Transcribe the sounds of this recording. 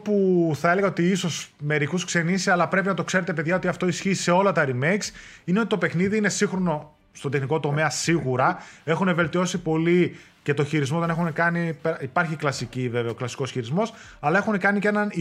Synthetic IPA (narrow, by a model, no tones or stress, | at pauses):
puθɐele̞ɣɐot̪iiso̞sme̞ɾikusksenisisɐlɐpɾe̞p̬inɐt̪o̞kse̞ɾet̪ep̬e̞ðʝɐo̞t̪iɐft̪o̞isçiːse̞o̞lɐt̪ɐɾimejksineo̞t̪it̪o̞pe̞xniðiine̞siŋxɾo̞no̞ | st̪od̪exniko̞t̪o̞me̞ɐsiɣuɾɐe̞xune̞ve̞lt̪io̞sipo̞li | ce̞t̪o̞çiɾizmoɐne̞xunekɐnipeipɐɾçiklɐsiciveveoklɐsi̥ko̞sçiɾizmo̞s | ɐlɐe̞xune̞kɐnicnɐni